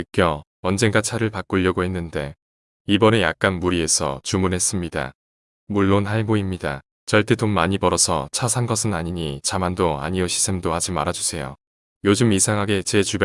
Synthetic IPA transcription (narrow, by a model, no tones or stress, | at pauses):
ɯk͈jʌ | ʌnd͡ʑe̞ŋɡat͡ɕʰaɾɯɭpak͈uʎːʌɡoɦe̞nːɯnde̞ | ibʌnejak̚k͈anmuɾie̞sʰʌ̰t͡ɕumunɦe̞s͈ɯmɲida̰ | muɭːonhaɭmoimɲida̰ | t͡ɕʌɭt͈ʰetomːaɲipʌɾʌsʰʌ̰t͡ɕʰasʰanɡʌsʰɯnaɲiɲit͡ɕamandoa̰ɲiʌɕʰi̥sʰemdohad͡ʑimaɾad͡ʑusʰe̞jo̰ | jod͡ʑɯmisʰaŋɦaɡe̞t͡ɕe̞t͡ɕub